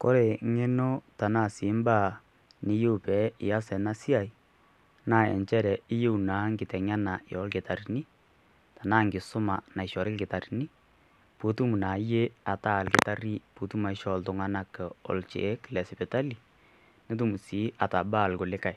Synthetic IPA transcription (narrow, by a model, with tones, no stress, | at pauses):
ko˦ɾe˨ŋe˦no˦ta˨na˦˨si˨˦mba˦˨ | nɪ˨jo˦˨pɛ˨˦ɪ̰˨ja˦sɛ˨na˦si˦a˨i˨ | na˦˨ɛ̰˨ɲt͡ʃɛ˦ɾɛ˨ɪ˦je˦u˨na˨˦ŋɡɪ˨tɛ˨ŋa˦na˨jɔ˨˦lkɪ˨ta˨ɾi˨ni˦ | ta˨na˦ŋɡɪ˨sʊ˦ma˨na˨ɪ˨ʃɔ˨ɾɪ˦lkɪ˨ta˨ri˨ni˦ | pu˨˦tu˦mu˨na˨je˦a˨ta˦˨lkɪ˨ta˦ɾi˦pu˨tu˦ma˨ɪ˦ʃɔ˨ltʊ˨ŋa˦na˦kɛ˨ɔ̰˨lt͡ʃḛ˨˦klɛ˨sɪ˨pɛ˨ta˦li˨ | ne˦t̬u˦mu˨si˨˦a˨ta˨baː˦˨lko˨lɪ˦ka˨j